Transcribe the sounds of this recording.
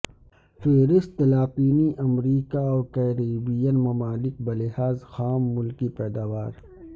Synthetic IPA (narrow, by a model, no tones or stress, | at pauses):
feːɾɪst̪ːɐlaːpiːniʔɐmɾiːkaɔːkɛːɾiːbijənmɐmaːlɪk̚bɐlɪɦaːzxaːmːʊlkipɛːd̪aːʋaːɾ